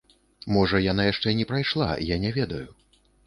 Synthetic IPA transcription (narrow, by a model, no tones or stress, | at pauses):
mɔʐɐjanajaʂt͡ʂɛnʲɛpɾajʂlˠa̰janʲɛvʲɛd̪ɐju